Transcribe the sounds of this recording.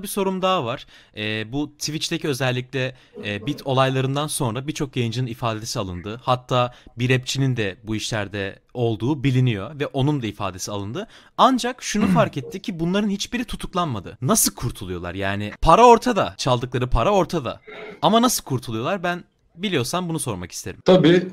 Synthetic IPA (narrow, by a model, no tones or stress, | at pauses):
biso̞ɾumd̪aːvaɾ̥ | ɛːbut̪ʰivit͡ʃt̪eciø̞zɛlʲːicʲlʲɛː | bit̪ʰo̞lˠajlˠaɾɯnd̪anso̞nɾabiɾt͡ʃʰo̞kjajɯnd͡ʒɯnɯnifaːd̪e̞sialˠɯ̰nd̪ɯhat̪ʰːaːbiɾɛp̚t͡ʃʰinind̪ɛbuiʃlʲæɾd̪ɛ | o̞lˠd̪uːbilʲinijo̞vɛʔo̞nund̪aifa̰ːd̪e̞sialˠɯnd̪ɯ | and͡ʒakʃunufaɾkɛt̪ʰːicʰibunlˠaɾɯnhit͡ʃbiɾit̪ʰut̪ʰuklˠanmad̪ɯ̰nasɯlˠkʰuɾt̪ʰulˠujo̞lˠa̰ɾjaːnɪpʰaɾao̞ɾt̪ʰad̪at͡ʃʰalˠd̪ɯk̚lˠaɾɯpʰaɾao̞ɾt̪ʰad̪a̰amanasɯlˠkʰuɾt̪ʰulˠujo̞lˠaɾbæn | bilʲijo̞sambunuso̞ɾmaki̥st̪ʰe̞ɾimt̪ʰabi